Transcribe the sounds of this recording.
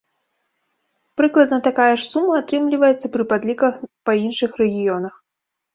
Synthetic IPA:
pɾɨklˠɐd̪nɐt̪akajɐʂsumːɐːt̪ɾɨmlʲivɐjɛt̪sɐpɾɨpad̪lʲikɐxpɐinʂɨxɾɛɣʲijɔnɐx

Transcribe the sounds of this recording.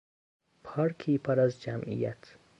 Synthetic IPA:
pʰɒɾkʰiːpʰɒɾæzd͡ʒæmʔḭjæ̰t̪ʰ

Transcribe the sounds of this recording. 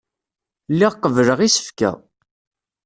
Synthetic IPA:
lːiʁqːəvləʁisə̥fkæ̰

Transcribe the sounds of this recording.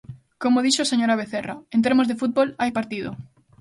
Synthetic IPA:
komoðiʃoaseɲoɾaβ̞eθeraẽnt̪̬eɾmozðefut̪̚bolajpaɾt̪iðo̰

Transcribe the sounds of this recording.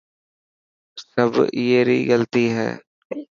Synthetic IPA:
səbjeːɾḭɡəlt̪iɦɛ̰ː

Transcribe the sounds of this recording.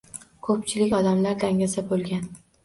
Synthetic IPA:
kʰɵp̚t͡ʃʰɪlɪkʲɒd̪amlaɾd̪aŋʲasabolˠɡʲan

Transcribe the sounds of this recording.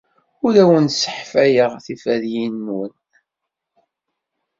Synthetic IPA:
ʊlæwənsə̥ħfæjəʁθifæðjinːwən

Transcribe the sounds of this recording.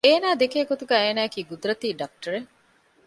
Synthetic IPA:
eːnaːd̪ekeːɡot̪uɡæːeːnaːkiːɡud̪uɾɐt̪iːɖɐk̚ʈɐɾe

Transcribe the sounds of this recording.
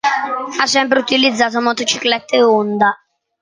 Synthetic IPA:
asːɛmpɾeut̪ilid̪zːaːt̪̬omɔt̪et͡ʃi̥klɛt̪ːeond̪a

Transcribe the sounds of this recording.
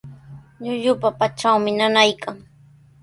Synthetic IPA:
ʎʊʎʊpapat͡ʃawmɪnanajkʰaŋ

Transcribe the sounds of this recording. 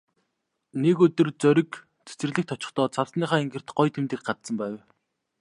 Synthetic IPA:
nekɵt̪ɵ̆rt͡sœɾʲɪ̆k | t͡sʰe̥t͡sɘ̆r̆ɮɘ̆k̚t̪ʰɔt͡ɕɪ̆χt̪ɔːt͡sʰawsniːχaːiŋɡɘ̆r̥t̪ɢɔjt̪ʰemt̪ɘ̆k̚ɢat͡s̪sə̆mpæːw

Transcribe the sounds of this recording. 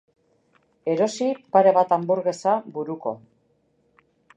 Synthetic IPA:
e̞ɾo̞sipaɾe̞βat̪ambuɾɣe̞sabuɾuko̞̰

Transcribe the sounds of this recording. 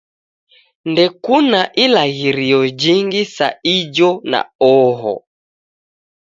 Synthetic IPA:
ndɛkunaʔilaɣiɾiɔd͡ʒiŋɡisa̰id͡ʒɔna̰ɔɦɔ̰

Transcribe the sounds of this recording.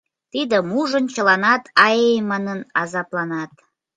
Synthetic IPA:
t̪id̪əmuʒənt͡ɕəlɑnɑt̪ʰɑjejmɑnənɑzɑplɑnɑt̪

